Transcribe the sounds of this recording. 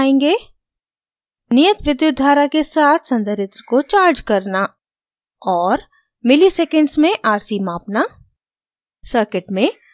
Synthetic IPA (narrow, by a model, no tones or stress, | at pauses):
ẽːŋɡeː | nɪjət̪ʋɪd̪jʊd̪ʱːaːɾakesaːt̪ʰsɐ̃nd̪ʱəɾɪt̪ɾəkot͡ʃaːɾd͡ʒkɐɾna | ɔːɾ | mɪlisɛːkə̃ɳɖsmẽʔaːɾsimaːpna | səɾkɪʈmẽ